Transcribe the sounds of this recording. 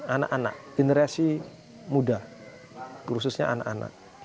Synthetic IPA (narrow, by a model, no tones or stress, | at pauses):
ana̰kana̰ʔɡ̥enəɾasi | muda | kɾusʊsɲa̰a̰na̰kana̰ʔ̚